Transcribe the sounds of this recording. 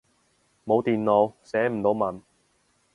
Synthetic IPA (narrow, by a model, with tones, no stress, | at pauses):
mo˨˧wt̪iː˨nlo˨˧wsɛː˨˥m̩˨˩t̪o˨˧wmɐ˨n